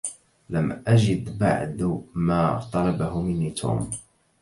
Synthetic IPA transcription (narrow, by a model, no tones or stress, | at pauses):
lamʔad͡ʒɪd̪ba̰ʕd̪maːt̪ˤɑlɑbahʊmɪnːiːt̪ʰṵːm